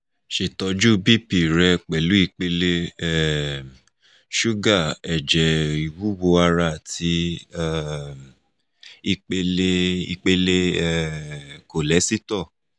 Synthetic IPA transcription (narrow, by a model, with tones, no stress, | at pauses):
ʃe˨tɔ˧d͡ʒu˦bi˦˨pi˨ɾɛ˧k͡pɛ˨lu˨˦i˧k͡pe˧le˦ɛ˦˨ | ʃu˦ɡa˦˨ɛ˨d͡ʒɛ˨i˨wu˦wo˧a˧ɾa˧˨ti˧˦ɛ˦ | i˧k͡pe˧le˦i˧k͡pe˧le˦ɛ˦˨ko˨lɛ˨˦si˦tɔ˦˨